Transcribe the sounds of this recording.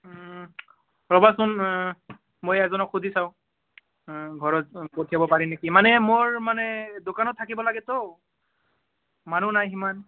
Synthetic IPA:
ɹɔbasʊn | mojɛzɔnɔkʰudʱisaʊ̃ | ɡʱɔɹɔtpotʰijabɔpaɹinekimanɛmoɹmanɛdokanɔtʰːakibɔlaɡɛtɔ | manunajɦiman

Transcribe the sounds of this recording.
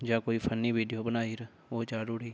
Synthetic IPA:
d͡ʒãːkoːiːpʰənːiːʋiːɖijoːbənaːiːɾ | oːt͡ʃaːɾʊɽiː

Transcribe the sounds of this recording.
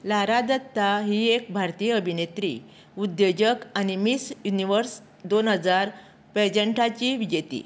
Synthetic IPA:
laɾad̪ət̪ːaɦiek̚bʱaɾt̪ijəəbʱinet̪ɾḭ | ud̪jed͡ʑəkanimisjuniʋəɾs | d̪onɦəd͡zaɾ | ped͡ʑəɳʈʰat͡ɕiʋid͡ʑet̪ḭ

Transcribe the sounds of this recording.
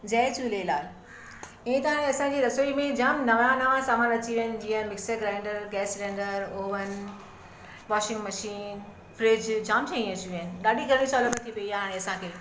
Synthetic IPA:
d͡ʑɛːt͡ɕuːlelaːl | ɪ̃ẽt̪ɐʋãɽẽɐsãɲd͡ʑiːɾɐsoːimẽd͡ʑɐmnɐʋãnaʋãsaːmaːnɐt͡ɕiʋiɦənɪ̆d͡ʑiːɦənmɪksəɡɾãɪ̃ɳɖəɾɡɛːslẽːɳɖəɾoːʋən | ʋɔːʃɪ̃ŋɡmɐʃiːn | fɾɪd͡ʑd͡ʑaːmd͡ʑʰãːĩɐt͡ɕiʋiɦənɪ̆ɗaːɗiɡʱɐɾɽ̃ĩsɔːləmət̪ʰiʋiiaːɦẽɐsãkʰeː

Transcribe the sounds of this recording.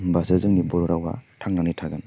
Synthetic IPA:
basazɯŋnibɔɾɔɾawba̰tʰaŋnaŋnitʰaɡan

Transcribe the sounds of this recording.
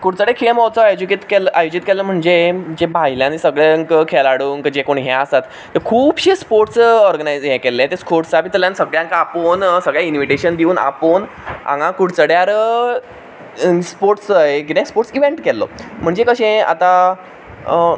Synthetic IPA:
kuɽt͡səɽekʰeɭmɔwt͡səajd͡ʑuket̪kelʔajod͡ʑit̪kɛləm̤əɳd͡zem̤əd͡ʑebʱaɦiljãnisəɡɭeŋkkʰelaɽuːnkəd͡ʑekoɳɦɛ̃ast̪at̪ːəɾkʰuːbɕespoɾʈsɔɾɡənajd͡zɦɛ̃kelːẽt̪espʰoɾʈsapit̪əljãnsəɡɭjãŋkaaponsəɡɭjainʋiʈeɕənd̪iuːna̰pon | ã̰ŋɡãkuɽt͡səɽjaɾ | spoɾʈsəekinespoɾʈsiʋeɳʈkɛlːɔ̰m̤əɳd͡zekəɕẽa̰t̪a

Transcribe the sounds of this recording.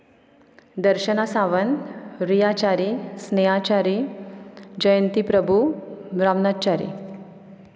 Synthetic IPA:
d̪əɾɕənasaʋənɾijat͡ɕaɾisneat͡ɕaɾi | d͡ʑəjənt̪ipɾəbʱumɾamnat͡ɕaɾḭ

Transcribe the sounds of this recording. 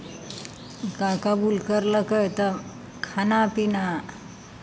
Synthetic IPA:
kakabulkəɾləkəjt̪ə | kʰanapina

